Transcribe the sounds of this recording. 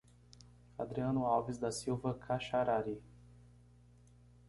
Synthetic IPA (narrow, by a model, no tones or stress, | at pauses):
ad̪ɾiɐ̃nʊawvizd̪asiwvɐkʰaʃaɾaɾi